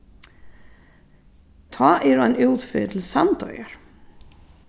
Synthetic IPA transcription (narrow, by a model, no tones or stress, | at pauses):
t̪ʰaʔɛɾanuːt̪fʏ̰ːt̪ʰɪlsant̪ɔ̰ːjaɾ̥